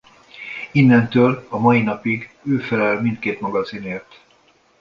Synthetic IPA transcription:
inːɛnt̪øːlɒmɒjinɒpiɡ | øːfɛlɛlmint̪̚keːt̪mɒɡɒzineːrt̪

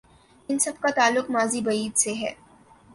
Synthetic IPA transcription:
ɪnsɐb̚kat̪aːlːʊqmaːzibɐiːd̪seɦɛ̰ː

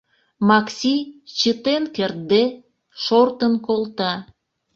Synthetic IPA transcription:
mɑksʲit͡ɕət̪enkert̪̚d̪e | ʃort̪ənkolt̪ɑ

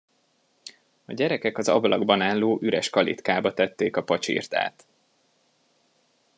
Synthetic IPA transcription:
ɒɟɛɾɛkɛkɒzɒ̰blɒɡbɒnaːlːoːʔyɾɛʃkɒlḭt̪kaːbɒt̪ɛt̪ːeːkɒpɒt͡ʃḭːrt̪a̰ːt̪

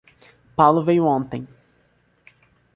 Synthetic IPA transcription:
pawlʊvejʊõnt̪ẽj̃

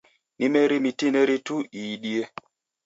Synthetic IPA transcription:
nimeɾimitineɾituiːɗie

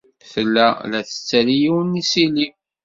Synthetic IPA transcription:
θəlːælæθə̥t͡sːælijiwənːisili

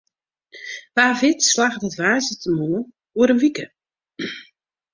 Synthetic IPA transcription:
ʋaːvɪtslaxdətʋaːzətʰəmunə | uəɾənʋikə

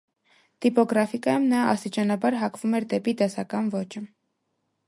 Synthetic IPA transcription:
t̪ipɔɡɾɑfikɑjumnɑɑ̰st̪it͡ʃɑnɑbɑɾɦɑkʰvumɛɾd̪ɛpit̪ɛsɑkɑnvɔt͡ʃə

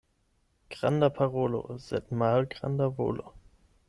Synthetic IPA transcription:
ɡ̥ʁ̥andapʰaʁoːlo̰z̥ɛ̰tmaːlɡʁa̰ndavo̰ːlo̰

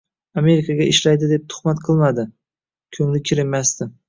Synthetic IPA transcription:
ame̞ɾɪkʰaɡʲaɪʃlajd̪ɪd̪ep̚t̪ʰʊ̥χmat̪qʰɨlˠmad̪ɪ | kʲʰɵŋlɪkʲʰɪɾɪmmast̪ɪ

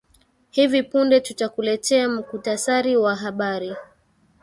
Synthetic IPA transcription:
hivipundɛtutakulɛtʰɛam̩kutasaɾiwaɦaɓaɾi

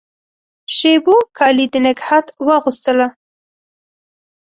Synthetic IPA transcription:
ʃebokʰɑlid̪ənaɡhat̪wəɣust̪əla

